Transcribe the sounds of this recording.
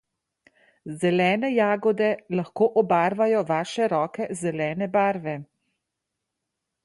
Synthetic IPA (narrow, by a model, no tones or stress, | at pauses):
zɛlɛːnɛjaːɡɔd̪ɛlaxkoːʔɔbaːɾʋajɔʋaːʃɛɾɔːkɛzɛlɛːnɛbaːɾʋɛ